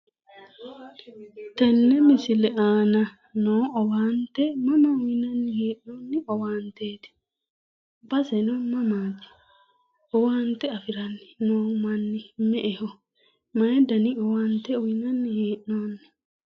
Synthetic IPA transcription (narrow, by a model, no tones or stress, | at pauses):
t̪ɛnːɛmɪsɪlɛʔaːnɐ | noːɔwaːnt̪ɛmɐmɐʊɪnɐnːɪheːʔnoːnːɪɔwaːnt̪eːt̪ɪ̥ | bɐsɛnɔmɐmaːt̪ːɪ̥ | ɔwaːnt̪ɛɐfɪɾɐnːɪ̥noːmɐnːɪmɛʔɛhɔ | mɐjɛd̪ɐnɪɔwaːnt̪ɛɔɪnɐnːɪheːʔnoːnːɪ̥